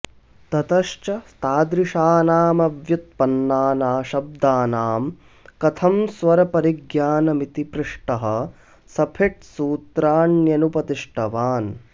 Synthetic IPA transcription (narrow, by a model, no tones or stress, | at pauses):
t̪ɐt̪ɐʃt͡ʃɐst̪aːd̪ɾiʂaːnaːmɐʋjut̪̚pɐnːaːnaːʃɐb̚d̪aːnaːm | kɐt̪ʰɐmsʋɐɾɐpɐɾiɡjaːnɐmit̪ipɾɪʂʈɐɦɐ̆ | sɐpʰeʈ̚suːt̪ɾaːnjɐnupɐt̪iʂʈʰɐʋaːn